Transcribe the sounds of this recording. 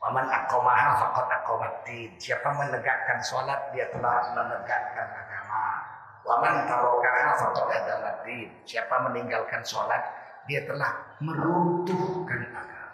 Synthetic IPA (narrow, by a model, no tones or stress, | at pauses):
wamanakowmaɦafakɔt̪akowmat̪insiapamənəɡaʔkansolat̪̚diat̪əlahmənəɡaʔkanaɡama | wamant̪alokaɦafat̪ɔʔadalad̪insiapaməniŋɡalkansolat̪̚ | diat̪əlahməɾut̪uhkanaɡam